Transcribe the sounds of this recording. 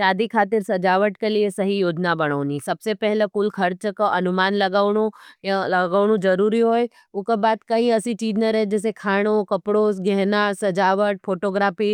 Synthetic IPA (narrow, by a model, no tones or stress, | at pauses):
ʃaːd̪ikʰaːt̪ɪɾsɐd͡ʒaːʋəʈkeliesɐɦijoːd͡ʒnabɐɽ̃aːnĩsɐbsepɛɦlakʊlkʰɐɾt͡ʃəkəɐnʊmaːnlɐɡaːɽ̃ujalɐɡaːʋɽ̃ũd͡ʒɐɾuːɾiɦoːe | ʊkabaːd̪kɐĩɐsĩt͡ʃiːd͡ʒnaɾɐɦed͡ʒɛːs̬ekʰaːɽ̃okɐpɽoːs̬ɡɛɦnasɐd͡ʒaːʋəʈ̚foːʈoːɡɾaːfi